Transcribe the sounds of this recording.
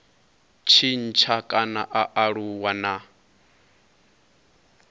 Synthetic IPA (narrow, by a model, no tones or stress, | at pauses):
t͡ʃʰin̩t͡ʃʰakʼanaʔaʔaɺuwana